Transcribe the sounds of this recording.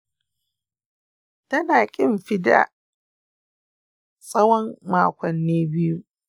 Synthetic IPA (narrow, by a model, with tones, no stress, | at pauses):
tɐ˦naː˨kʲʼɪ˦mɸɪ˦da̰˨ | sʼɐ˦wɔ˦mmaː˦kʷɔ˨nːeː˦bɪ˦ju˦ʔ